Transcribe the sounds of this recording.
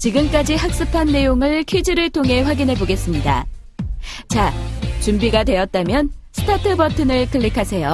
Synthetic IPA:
t͡ɕiɡɯmk͈ad͡ʑiɦak̚s͈ɯpʰanːe̞joŋɯɭkʰɥid͡ʑiɾɯɭtʰoŋɦe̞ɸwaɡinɦe̞boɡe̞s͈ɯmɲida̰ | t͡ɕat͡ɕumbiɡadwe̞ʌt̚t͈amjʌnsʰɯ̥tʰatʰɯbʌtʰɯnɯɭkʰɯɭːikʰasʰe̞jo

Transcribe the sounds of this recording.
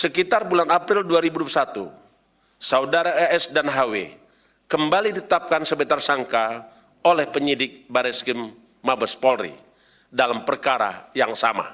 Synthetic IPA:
səkit̪arbulanapɾɪlduaɾibudusat̪ṵ | saudaɾaɛɛsdanɦawḛ | kəmbalidit̪ət̪ap̚kansəbɛt̪ərsaŋka | olɛhpəɲidɪk̚baɾɛskimː | abəspɔlrḭ | dalampərkaɾa̰jaŋsama̰

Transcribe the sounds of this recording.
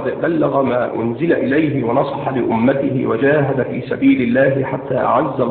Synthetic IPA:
d̪balːaɣamaːʔʊnzɪlaʔɪlajɦɪwɑnɑsˤɑħɑlɪʔʊmːat̪ɪhɪ̰wad͡ʒaːɦad̪afiːsabiːlɪlːaːhɪħat̪ːaːʔa̰ʕazːa

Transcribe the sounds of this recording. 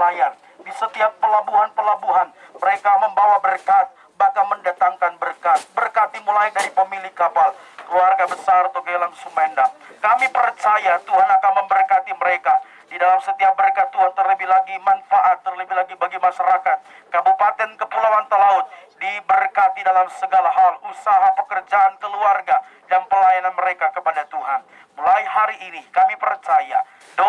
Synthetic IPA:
ajan | disət̪iapːəlabuɦanpəlabuɦanməɾekaməmbawabərkat̪̚ | bakaməndat̪aŋkanbərkat̪̚bərkat̪imulaidaɾipəmilɪkːapalkəluarɡabəsaɾat̪akəelaŋsuŋmandakamipərt͡ʃajat̪uɦanakanməmbərkat̪iməɾeka | didalamsət̪iap̚məɾekat̪uɦant̪ərləbiɦlaɡimanfaʔat̪ːərləbihlaɡibaɡimaʃaɾakat̪̚kabupat̪ɛnkəpəlawant̪əlaʊt̪̚dibərkat̪idalamsəɡalaɦalusaɦapəkərd͡ʒaʔankəluarɡa | daŋpəlajananməɾekakəpadat̪uɦan | mulaiɦaɾiʔːnikamipərt͡ʃaja | do

